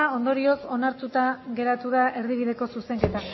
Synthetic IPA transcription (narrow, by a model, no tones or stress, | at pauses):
o̞nd̪o̞ɾio̞so̞naɾt̪ut̪aɣe̞ɾat̪uðaʔe̞ɾðiβ̞iðe̞ko̞suse̞ŋke̞t̪a